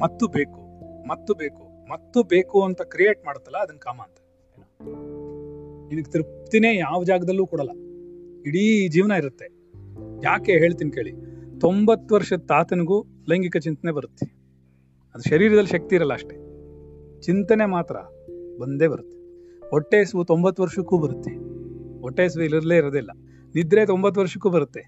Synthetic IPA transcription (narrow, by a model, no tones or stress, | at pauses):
mɐt̪ːube̞ːkumɐt̪ːube̞ːku | mɐt̪ːube̞ːkuɐnt̪ɐkɾijeːʈ̚maːɽut̪ːɐlːɐːd̪ɐnːkaːmɐːnt̪ɐ̥ | eːnoː | ninɐɡt̪iɾpt̪iːneːjaːʋɐd͡ʒaːɡɐd̪ɐlːuːkuːɽɐlːɐiɽiːd͡ʒiːʋnɐiɾut̪ːe | jaːke̞ɦe̞ːɭt̪iːnkeːɭit̪o̞mbɐt̪ːʋɐɾʂɐd̪t̪aːt̪ɐniɡuː | lɐjŋɡikɐt͡ʃint̪ɐne̞bɐɾut̪ːe | ɐd̪uʃɐɾiːɾɐd̪ɐlːiʃɐk̚t̪iːɾɐlːɐːʂʈe̞ | t͡ʃint̪ɐne̞maːt̪ɾɐ̰ | bond̪e̞ːbɐɾut̪ːe̥ | oʈːeːsʋut̪o̞mbɐt̪ːuʋɐɾʂɐkːuːbɐɾut̪ːeoʈːeːs̬ʋuilɐɾleːiɾod̪ilːɐ̰ | nid̪ɾe̞ːt̪o̞mbɐt̪ːʋɐɾʂɐ̥kːuːbɐɾut̪ːe